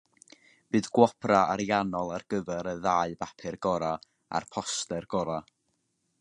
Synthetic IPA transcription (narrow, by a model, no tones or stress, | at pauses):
b̥ɨːðɡwɔpʰraaɾjanɔlˠarɡ̥əvɛɾəðaːɨbapʰɪrɡɔɾa | a̰rpʰɔstɛrɡ̥ɔɾa